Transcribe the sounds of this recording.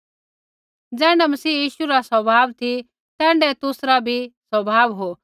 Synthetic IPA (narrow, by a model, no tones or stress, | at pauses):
d͡zɛ̃ːɳɖɛmɐsiːjiːʃuɾasɐbʱaːʋt̪ʰi | t̪ɛ̃ːɳɖɛt̪ʊsɾabʱisɐbʱaːʋɦo